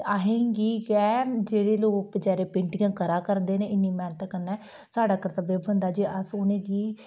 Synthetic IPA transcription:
aːɦẽːŋɡiːɡɛːd͡ʒeːɽeːloːkd͡ʒɛːɾeːpɪɳʈɪɡãːkəɾaːkəɾnd̪eːnẽːɪnːiːmɛːnət̪əkːənːɛː | saːɖaːkəɾət̪əbeːbənd̪aːd͡ʒiːəsʊnẽːɡiː

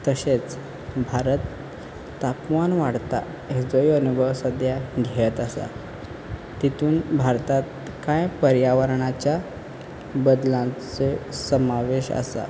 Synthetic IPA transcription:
t̪əɕet͡s | bʱaɾət̪ː | apmanʋaɽt̪a̰ | ed͡zojənubʱəʋsəd̪jaɡʱeət̪asa̰ | t̪it̪uːnbʱaɾt̪at̪ | kãjpəɾjaʋəɾɳat͡ɕja | bəd̪lãt͡sesəmaʋeɕa̰sa̰

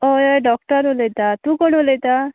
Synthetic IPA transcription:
ojɔjɖɔkʈɔɾolet̪at̪ũkɔɽ̃olet̪a

